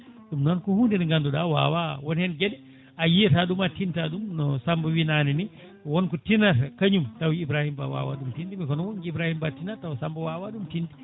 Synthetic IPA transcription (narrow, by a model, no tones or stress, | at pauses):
ɗumnɔnkɔhundɛniŋɡandɔɗa̰wa̰wawɔnhɛnɡɛɗɛ | ajiɛtaɗumatintaɗumnɔsambɔwinanini | wɔnkɔtinatkaɲumtawiːbɾahimba̰wa̰wa̰ɗumtindimikɔnɔwɔnɡiibɾahimbatinatawsambɔwawaɗumtindi